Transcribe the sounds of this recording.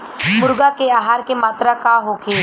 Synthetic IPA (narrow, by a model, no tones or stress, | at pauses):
mʊɾɡakeaːɦaːɾkemaːt̪ɾakaɦokʰeː